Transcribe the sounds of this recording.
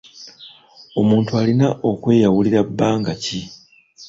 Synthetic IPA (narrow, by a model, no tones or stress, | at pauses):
o̞muːntualinaʔo̞kwe̞ːjawuliɾabːaːŋɡaci